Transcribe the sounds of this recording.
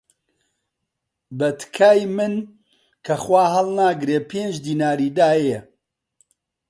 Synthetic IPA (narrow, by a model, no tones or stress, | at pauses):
bɐt̪kʰaːjmɨn | kʰɐxwaːɦɐlˠnaːɡɾeːpʰeːnd͡ʒd̪iːnaːɾiːd̪aːje